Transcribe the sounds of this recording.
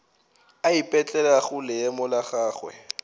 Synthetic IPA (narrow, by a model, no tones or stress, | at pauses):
aipʼɛt͡ɬʼɛlaɣʊlɪɛmɔlaχaːχwɛ̰